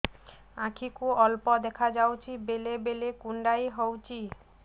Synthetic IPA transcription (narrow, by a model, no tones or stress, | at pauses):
akʰikuɔlpɔd̪ɛkʰad͡ʑawt͡ɕʰibelebelekuɳɖajɦɔwt͡ɕʰi